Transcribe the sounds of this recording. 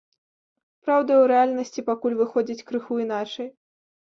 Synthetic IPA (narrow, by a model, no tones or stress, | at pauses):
pɾawd̪ɐwɾɛalʲnɐsʲt͡sʲipakulʲvɨxɔd͡zʲit͡sʲkɾɨxuin̪at͡ʂɐj